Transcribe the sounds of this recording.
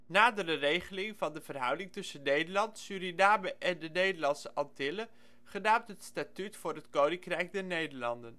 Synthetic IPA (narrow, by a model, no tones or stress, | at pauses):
naːdərərejχəlɪŋvɑndəv̥ərɦœ̰wdɪŋtɵsənːejdəlɑntsyɾindaːbəʔɛndənejdəɹlɑnsəʔɑntɪlə | χənaːmtɦətstatytfʊːrɦətkownɪŋkrɛjk̚dɛɹnejdəɹlɑndən